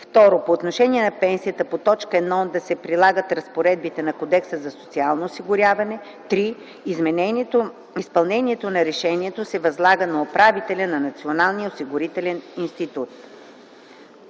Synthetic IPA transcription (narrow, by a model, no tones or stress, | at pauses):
ft̪ɔɾopoːt̪noʃɛniɛnɐpɛnsijət̪əpot̪ɔt͡ʃkəɛd̪nɔd̪ɐsɛpɾilˠaɡət̪ɾɐspoɾɛd̪̚bit̪ɛnɐkod̪ɛksəzɐso̥t̪sialˠnoːsiɡʊɾʲjavɐnɛ | t̪ɾi | zmɛ | ispɐlˠnɛnʲiɛt̪onɐɾɛʃɛniɛt̪osɛvɐzlˠaɡənɐopɾavit̪ɛlʲənɐnɐt̪sionalˠnijəosiɡʊɾit̪ɛlʲɛninst̪it̪ut̪̚